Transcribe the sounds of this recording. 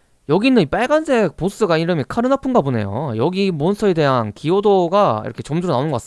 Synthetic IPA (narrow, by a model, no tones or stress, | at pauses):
jʌɡinɯnip͈aɭɡansʰe̞k̚pos͈ɯɡaiɾɯmikʰaɾɯnapʰɯŋɡabone̞̰jo̰jʌɡimonsʰʌede̞ɦankiodoɡaḭɾʌkʰet͡ɕʌmd͡ʑuɾonaonɯnɡʌk͈as